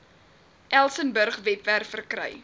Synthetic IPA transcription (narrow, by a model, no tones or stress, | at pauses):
ʔælˠsənbərχvɛpværfərkrœ̰j